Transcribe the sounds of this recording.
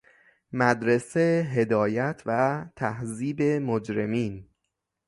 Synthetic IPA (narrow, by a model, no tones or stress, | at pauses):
mæd̪ɾeseɦe̞d̪ɒːjæt̪ʰvæt̪ʰæhziːbe̞mod͡ʒɾemiːn